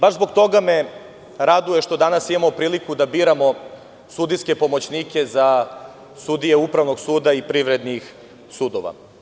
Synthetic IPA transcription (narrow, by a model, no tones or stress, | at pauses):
baʒzbo̞ɡt̪o̞ɡame | ɾad̪ujeʃt̪o̞d̪anasimamopɾiːlikud̪abiːɾamo̞ | sud̪iske̞po̞mo̞t͡ɕniːke̞za | sud̪ijeupɾaʋno̞ɡsuːd̪aipɾiʋɾed̪nix | suːd̪oʋa̰